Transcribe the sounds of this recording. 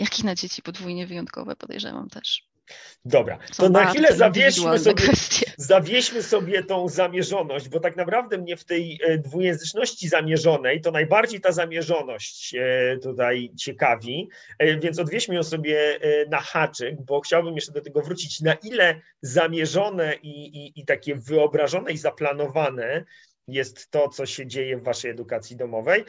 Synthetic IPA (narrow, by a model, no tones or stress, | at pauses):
jakʲixnad͡ʑet͡ɕi̥pɔd̪vujɲɛvɨjɔnt̪̚kɔ̰vɛ̰pɔd̪ɛ̰jʐɛ̰va̰mt̪ɛʂ | d̪ɔbɾa̰ɔnaxfʲiilɛzavʲjɛɕmɨsɔbjɛfɛst̪ʲjɛzavʲjɛɕmɘsɔbʲjɛt̪ɔ̃w̃zamʲjɛʐɔnɔɕd͡ʑbɔt̪aknapɾavd̪ɛmɲɛft̪ɛjd̪vujɛ̃ñzɘt͡ʂnɔɕt͡ɕizamʲjɛʐɔnɛjt̪ɔnajbaɾd͡ʑejt̪azamʲjɛʐɔnɔɕt͡ɕt̪ut̪ajt͡ɕɛkavʲi | vʲjɛnt̪ɔd̪vʲjɛɕmjɔ̃w̃sɔbʲjɛnaxat͡ʂɛɡ̚bɔxt͡ɕawbɘmjɛʂt͡ʂɛd̪ɔt̪ɛɡɔvɾut͡ɕit͡ɕnaʔilɛ | zamʲjɛʐɔnɛʔiːt̪akʲɛvɘɔbɾaʐɔnɛizaplanɔvanɛ | jɛst̪ːɔt̪sɔɕɛd͡ʑejɛvːaʂɛjɛd̪ukat̪sʲjid̪ɔmɔvɛj